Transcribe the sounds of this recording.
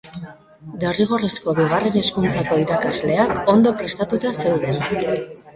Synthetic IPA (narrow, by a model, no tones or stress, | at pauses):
d̪eriɣ̞o̞resko̞βiɣ̞are̞ne̞skunt͡sako̞iɾakazle̞ako̞nd̪o̞pɾe̞st̪at̪ut̪ase̞wðe̞n